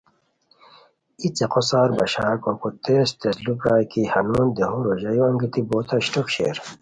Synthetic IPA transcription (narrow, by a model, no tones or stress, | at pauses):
it͡seqosaːɾbɐɕaːkokot̪eːst̪eslupɾaːjkihɐnuːnd̪eɦoɾoʑɐjoɐŋɡit̪iboːt̪ʰɐɕʈokɕḛːɾ